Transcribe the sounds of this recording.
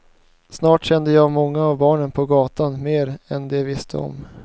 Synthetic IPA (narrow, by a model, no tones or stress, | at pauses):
snɑːʈɕɛnd̪əjɑːɡmɔŋːaːvbɑːɳənpʰɔɡɑːt̪anmeːɾɛnd̪ɛvɪst̪ʰə̰ɔ̰m